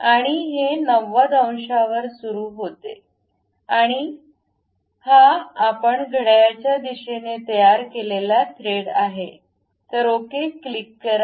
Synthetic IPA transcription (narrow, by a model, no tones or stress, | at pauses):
aɽ̃iɦenəʋːad̪ə̃w̃ɕaʋəɾsuɾuːɦot̪ḛ | aɽ̃i | haːpəɳɡʱəɽjat͡ɕjad̪iɕenet̪əjaɾkelelat̪ʰɾeɽaɦe | t̪əɾokeklikːəɾ